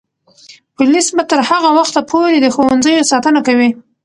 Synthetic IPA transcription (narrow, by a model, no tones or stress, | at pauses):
pʊlisbat̪əɾhaɣawaxt̪apʰoɾed̪əxowanzəjosɑt̪ənakawi